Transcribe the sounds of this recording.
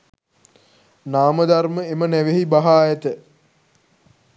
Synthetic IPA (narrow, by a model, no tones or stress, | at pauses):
naːməd̪arməemənæʋeɦibaɦaːjɛt̪ə